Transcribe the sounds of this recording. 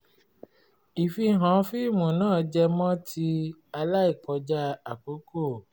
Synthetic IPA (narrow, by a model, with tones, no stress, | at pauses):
i˨fi˧˦ɦã˨˦fi˦˨mũ˨nãː˦˨d͡ʒɛ˧mɔ̃˦tʰi˧a˧la˦i˦˨k͡pɔ˧d͡ʒa˦a˨k͡po˨˦ko˦˨